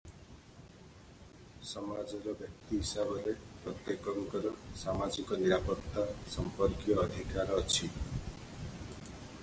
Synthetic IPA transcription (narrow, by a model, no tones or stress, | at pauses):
sɔmad͡ʒɔɾɔbjɔk̚t̪iɦisabɔɾepɾɔt̪jekɔŋkɔɾɔsamad͡ʒikɔniɾapɔt̪ːasɔmpɔɾkjɔːd̪ʱikaɾɔɔt͡ʃʰi